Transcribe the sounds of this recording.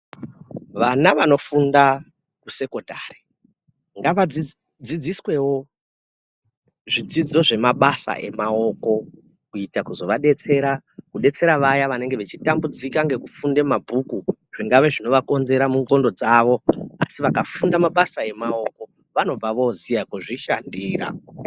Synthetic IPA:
ʋanaʋano̞funda | kuse̞ko̞dʱaːri̥ | ŋɡaʋai | d͡zid͡ziswe̞wo̞ | ʐid͡zid͡zo̞ʐe̞maɓasa̰ʔe̞̰mao̞ko̞ | kuitakuzo̞ʋaɗe̞t͡se̞ɾakuɗe̞t͡se̞ɾaʋajaʋane̞ŋɡeʋe̞t͡ʃitambud͡zikaŋɡe̞kufunde̞mabʱukuʐ̥iŋɡaʋe̞ʐino̞ʋako̞nze̞ɾamuŋɡo̞ndo̞d͡zaʋo̞a̰siʋakafundamaɓasae̞mao̞ko̞ | ʋano̞b͡vaʋo̞zijakuʐiʃandiːra̰

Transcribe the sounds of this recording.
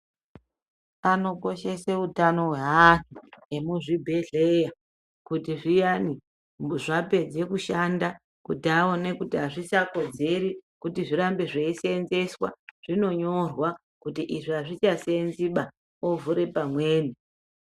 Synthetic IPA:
pano̞ko̞ʃe̞seutano̞ɦwe̞ɦatuemuʐibʱe̞ɮe̞ja | kutiʐijani | ʐape̞d͡ze̞kuʃanda | kutiaone̞kutiɦaʐisako̞d͡ze̞ɾikutiʐiɾambeʐeisenze̞swa̰ʐ̥ino̞ɲo̞rwa | kutiʔiʐiɦaʐit͡ʃasenziɓa | ovuɾe̞pamwe̞ːni

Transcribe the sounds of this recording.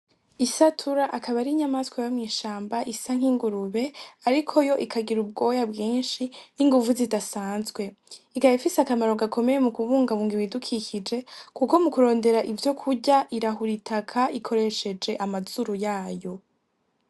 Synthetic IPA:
isatʰuɾaʔakaβaɾiɲamaskwajomŋiːʃaːmbaʔisaŋ̥hiŋɡuɾuβe̞aɾikʰo̞jo̞ʔikʰaɡiɾub̚ɡo̞jabɡiːnʃiiŋɡuvuzidasaːnzɡwe̞ | ikaifisakamaɾoɡakʰo̞me̞je̞mukuβuːŋɡaβuːŋɡiβidukʰicid͡ʒe̞kuko̞mukuɾo̞ːnde̞ɾaʔivjo̞kʰuɟaʔiɾaɦuɾitʰakʰaʔikʰo̞ɾe̞ʃe̞d͡ʒe̞ʔamazuɾujaːjo̞

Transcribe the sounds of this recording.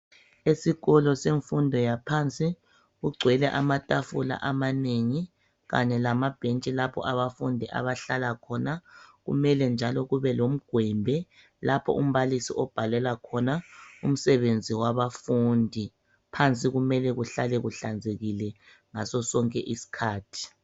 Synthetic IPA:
esiɣɔlɔseɱfundʱɔjapʰant͡sʼi | ɣuɡ͡ǀʱwɛlɛʔamatʼafula̰ʔamaneŋi | ɣa̰ɲɛlamab̥ʱent͡ʃʼilapʰɔ̰ʔaβafundʱiʔa̰βaɬalakʰɔnaɣṵmɛlɛnd͡ʒʱalɔɣuβɛlom̩ɡ̥ʱwɛmbʱɛ | lapʰɔ̰ʔum̩βalisiʔɔb̥ʱalɛlakʰɔnaṵm̩sɛβend͡zʱiwaβafuːndʱi | pʰant͡sʼiɣumɛlɛɣuɬalɛɣuɬand͡zʱeɣilɛ | ŋasɔsɔŋkʼɛʔisi̥kʰaːtʰi̥

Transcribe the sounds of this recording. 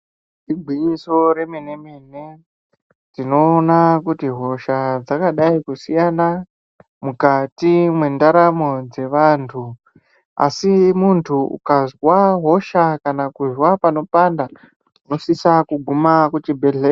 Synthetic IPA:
ibʱwiɲiso̞ɾe̞mene̞mene̞ | tino̞ːnakutiɦo̞ʃad͡zakaɗaikusijana | mukatimwe̞ndaɾamo̞d͡ze̞ʋantʰu | a̰simuntʰuṵkazwaɦo̞ʃakanakuzwapano̞panda | uno̞sisakuɡʱumakutibʱeɮe

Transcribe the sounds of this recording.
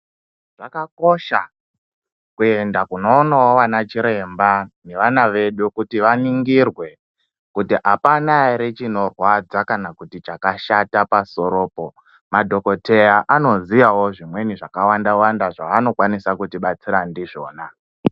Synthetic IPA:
ʐ̥akako̞ʃa | kue̞ndakuno̞ːnawoʋanat͡ʃiɾe̞mbane̞ʋanaʋe̞ɗukutiʋaniŋɡirwe̞ | kutiʔapanaeɾet͡ʃino̞rwad͡zakanakutit͡ʃakaʃatapaso̞ɾo̞ːpo̞ | madʱo̞ko̞te̞jaʔano̞zijawo̞ʐimwe̞niʐakawandawandaʐaʋano̞kwanisakutiɓat͡siɾandiʐo̞ːna

